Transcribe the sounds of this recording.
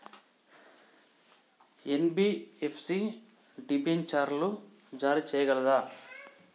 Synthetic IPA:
enbiepʰsi | ɖibent͡ʃaːɾlu | d͡ʒaːɾit͡ʃɛːjɐɡɐlɐd̪aː

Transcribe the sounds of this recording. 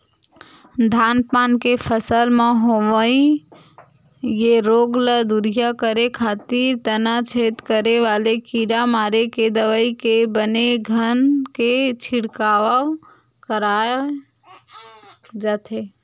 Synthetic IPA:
d̪ʱanpankepʰəsəlmẽɦoʋəi | jeɾoɡləd̪uɾijakəɾekʰat̪iɾt̪ənat͡ʃʰet̪kəɾeʋalekiɾamaɾeked̪əʋəjkebəneɡʱənket͡ʃʰiɽkaʋəw | kəɾa | d͡ʒat̪ʰe

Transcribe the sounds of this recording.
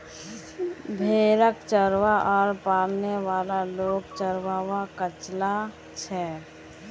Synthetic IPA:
bʱeːɾəkt͡ʃəɾʋaʔɔːɾpaːɾneʋaːlaloːɡt͡ʃəɾwaːwakət͡ʃla | t͡ʃʰɛː

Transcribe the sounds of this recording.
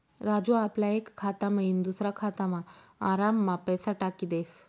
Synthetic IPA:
ɾad͡zuaplaekʰːat̪amaɦind̪usɾakʰat̪amaː | ɾamːapəjsaʈakiːd̪es

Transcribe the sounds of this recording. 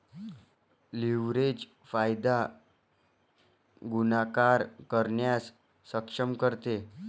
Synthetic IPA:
liʋɾed͡ʑ | fajd̪a | ɡunakaɾkəɾɳjasː | əkʂəmkəɾt̪e

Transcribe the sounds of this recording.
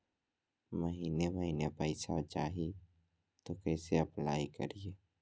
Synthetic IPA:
məɦiːneməɦiːnepəɪsat͡ʃaːɦi | t̪okɛːseɐplaːikə̰ɾieː

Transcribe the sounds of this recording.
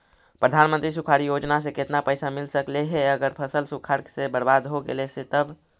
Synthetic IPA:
pɾəd̪ʱanmə̃nt̪ɾisukʰaɾijod͡ʒnas̬ẽket̪napəjsamilsəkleɦeəɡəɾpʰəsəlsukʰaɾsebəɾbad̪ɦoɡḛleset̪əb

